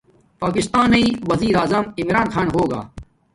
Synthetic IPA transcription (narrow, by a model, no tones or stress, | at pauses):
paːkɪst̪aːnɐiːʋɐziːɾaːzɐmimɾaːnxaːnɦoːɡa̰ː